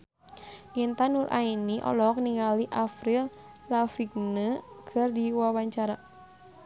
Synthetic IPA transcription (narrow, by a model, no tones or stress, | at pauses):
ʔint̪anurʔa̰iniʔɔ̰lɔk̚niŋaliʔafɾil | lafik̚nəkʰərdiwawaɲt͡ʃaɾa